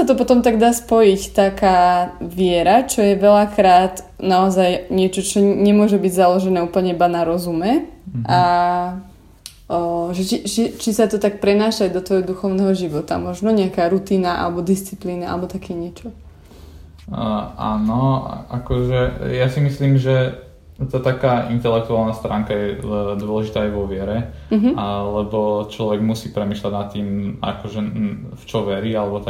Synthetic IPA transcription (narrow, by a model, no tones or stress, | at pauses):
sat̪ɔpɔt̪ɔmt̪aɡd̪aːspɔjict̪akaːʋɪɛɾat͡ʃɔjɛʋɛlakɾaːt̪ | naɔzajɲɪɛt͡ʃɔt͡ʃɔɲɛmʊɔʒɛbiɟzalɔʒɛnɛːuːpl̩ɲɛibanaɾɔzumɛʔa | ʒɛt͡ʃit͡ʃit͡ʃisat̪ɔt̪ak̚pɾɛnaːʃaɟd̪ɔt̪ʋɔjɦɔd̪uxɔʊnɛːɦɔʒiʋɔt̪a̰mɔʒnɔɲɛakaːɾut̪iːnaʔa̰lɛbɔd̪ist͡sipliːnaa̰lɛbɔt̪akʰɛːɲɪɛt͡ʃɔ | a̰nɔa̰ʔakɔʒɛjasimisliːmʒɛ | t̪at̪akaːʔint̪ɛlɛkt̪uaːlˠnast̪ɾʔaːŋkajɛd̪wɔlɛʒit̪aːajʋɔʋɪɛɾɛ | ɦlɛbɔt͡ʃlɔʋɛɡmusiːpɾɛmiːʃlaɟnat̪ːiːma̰kɔʒɛft͡ʃɔʋɛɾialɛbɔt̪a